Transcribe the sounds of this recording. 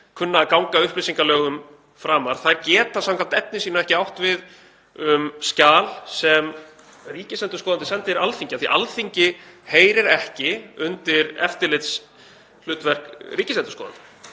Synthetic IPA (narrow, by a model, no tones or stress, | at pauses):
kʰʏnːaːðkawŋkaʏhplɪsiŋkalœːɣʏm | fɾaːmaɾ̥θaɾcɛːt̪θasãmkʰam̥t̪ɛt̪̚nɪsiːnaɛhcɪawht̪vɪð | ʏmscaːlsɛm | riːcɪsɛnt̪ʏ̥ɾskɔːðant̪ɪsɛnt̪ɪɾalθiɲcaθḭʔalθiɲcɪheːjɾɪɾɛhcɪʏnt̪ɪɾɛ̰ft̪ɪlɪt̪s | l̥ʏːt̪vɛr̥kriːcɪsɛnt̪ʏ̥ɾsɔːða̰nt̪ɪ̥